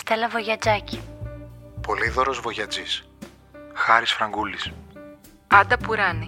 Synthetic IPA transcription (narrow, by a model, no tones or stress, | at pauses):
st̪elɐvoʝɐd͡zɐci | po̞liðoɾo̞zvo̞ʝɐd͡zis | xɐɾisfɾɐŋɡulis | ɐd̪ɐpuɾɐni